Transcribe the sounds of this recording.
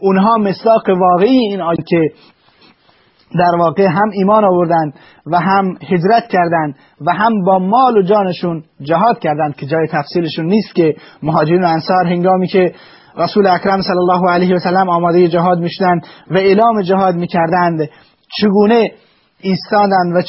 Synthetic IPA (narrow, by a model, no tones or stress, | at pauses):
ʔunɦɒːmesd̪ɒːqevɒːɣeijeiːnɑːkʲʰe | d̪æɾvɒːɣeɦæmiːmɒːnɒːvoɾd̪ænd̪ | væɦæmhed͡ʒɾæt̪cʰæɾd̪ænd̪ | væɦæmbɒːmɒːlod͡ʒɒːneʃund͡ʒæɦɒːd̪̚kʲʰæɾd̪ænd̪̥kʰe̞d͡ʒɒːjet̪ʰæfsiːleʃunːiːst̪kʲemoɦɒːd͡ʒeɾiːnoænsɒːɾɦe̞ŋɡɒːmiːkʰe | ɾæsuːleækɾæmsælːælːɒːɦoælejhʋæsælːæmɒːmɒːd̪ejed͡ʒæɦɒːd̪miːʃod̪ænd̪væeːlɒːmed͡ʒæɦɒːd̪miːkʰʲæɾd̪ænd̪ | t͡ʃʰeɡuːne | iːst̪ɒːd̪ænd̪væ